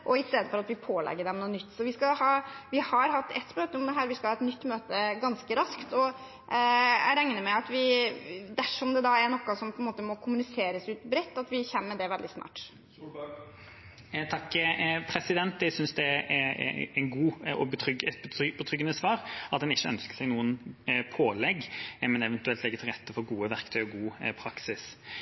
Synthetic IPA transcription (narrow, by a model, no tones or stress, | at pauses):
ʔɔɪst̪eːd̪əfɔɾɑt̪ʋɪpʰoːlɛ̰ɡːəɖɛmnuːnʏt̪ːsɔʋɪskɑhɑːʋɪhɑɾɦɑt̪ːɛt̪ːmøːt̪əʊmd̪ɛɦæːɾʋɪskɑhɑːɛt̪nʏt̪ːmøːt̪əɡɑnskəɾɑskt̪ɔ | æ̰ɪɾæŋnəmɛɑt̪ʋɪd̪æʂɔmd̪ɛd̪ɑæɾnɔkːɑsɔmpʰɔɛnmoːt̪əmɔkʰʊmʉnɪseːɾəsʉːt̪bɾɛt̪ːɑt̪ʋɪçɛnːəd̪ɛʋɛld̪ɪsnɑ̰ːʈ | t̪ʰɑkːpʰɾɛsɪd̪ɛnt̪ɛsʏnsd̪ɛ | ɛnɡuːɔbət̪ʰɾʏɡɛt̪b̪bɔt̪ʰɾʏɡənəsʋɑːɾɑt̪̚d̪ɛnɪçːəœ̰nskə̥sɛɪɡnuːənpʰoːlɛɡːmɛnɛʋɛnt̪ʉɛlt̪lɛɡət̪ʰɪlʁɛt̪ːəfɔɾɡuːəʋæɾkt̪ʰœʏɔɡuːpʰɾɑksɪs